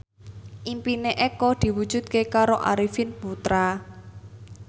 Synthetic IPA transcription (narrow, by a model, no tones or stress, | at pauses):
ʔimpineʔɛkɔd̪̥i̤wud̥ʒ̥ṳd̪̚kekaɾoʔa̰ɾifɪnput̪ɾa